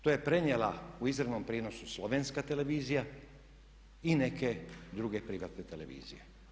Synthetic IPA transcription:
t̪ojepɾeɲjelauizɾeʋnompɾiːno̞suslo̞ʋenskat̪eleʋiːzija | ineked̪ɾuɡepɾiʋaːt̪net̪ele̞ʋḭːzḭje

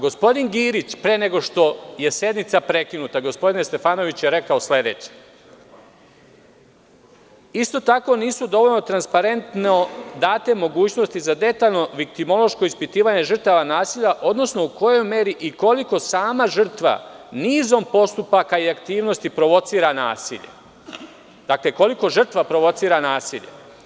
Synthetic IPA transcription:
ɡo̞spo̞d̪inɡiːɾit͡ɕpɾeːne̞ɡo̞ʃt̪o̞je̞se̞d̪nit̪sapɾe̞kinut̪aɡo̞spo̞d̪inest̪e̞faːno̞ʋit͡ɕjeɾe̞kaosle̞d̪e̞̰ːt͡ɕe̥ | ist̪o̞t̪ako̞niːsud̪o̞ʋo̞ʎno̞t̪ɾanspaɾe̞nt̪nod̪aːt̪e̞mo̞ɡuːt͡ɕno̞st̪izad̪e̞t̪aʎno̞ʋikt̪imo̞lˠo̞ʃko̞ispit̪iːʋaːɲe̞ʒr̩t̪aʋanaːsiːʎaʔo̞d̪no̞sno̞uko̞jo̞jme̞ɾiʔiko̞liko̞saːmaʒr̩t̪ʋa̰niːzo̞mpo̞st̪upakaiakt̪iːʋno̞st̪ipɾo̞ʋo̞t̪siːɾana̰ːsḭʎe̞̰ | d̪̥akleko̞liko̞ʒɨr̩t̪ʋapɾo̞ʋo̞t̪siːɾanaːsiʎḛ

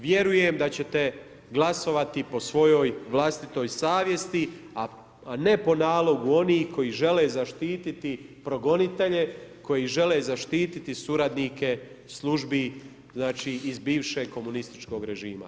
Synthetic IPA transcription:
ʋje̞ɾujemd̪at͡ɕe̞t̪e̞ | ɡlˠaso̞ʋat̪ipo̞sʋo̞jo̞ːjʋlˠast̪it̪o̞ːjsaːʋje̞st̪ia | ane̞po̞naːlˠo̞ɡuo̞niːhko̞jiʒe̞le̞ːzaʃt̪iːt̪it̪ipɾo̞ɡo̞nit̪e̞ʎe̞ko̞jiʒe̞lezaʃt̪iːt̪it̪isuɾad̪nike̞ | slˠuʒbi | znaːt͡ʃiːizbiːʋʃe̞ɡ̚ko̞munist̪i̥t͡ʃko̞ɡɾe̞ʒiːma̰

